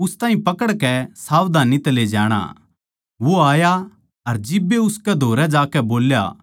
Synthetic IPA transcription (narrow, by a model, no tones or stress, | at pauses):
ʊst̪aːɦĩpɐkəɽkɛsaːʋd̪ʱaːnit̪ɐled͡ʒa̰ːɽ̃a̰ | ʋoaːja | ɐɾd͡ʒɪbːeʊskɛd̪ʱoːɾɛd͡ʒaːkɛboːlja̰